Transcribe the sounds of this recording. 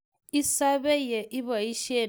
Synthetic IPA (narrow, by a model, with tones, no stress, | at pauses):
i˦sa˦βɛ˦jɛ˨ʔi˦βa˨i˦ʃe˦˨